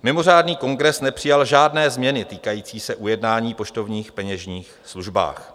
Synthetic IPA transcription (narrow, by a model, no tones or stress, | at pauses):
mɪmo̞raːdniːko̞ŋɡɾɛsnɛpr̥ɪjalʒaːdnɛːzmɲɛnɪt̪iːkajiːt͡siːsɛʔujɛdnaːɲiːpo̞t͡ʃt̪o̞vɲiːxpɛɲɛʒɲiːxsluʒba̰ːx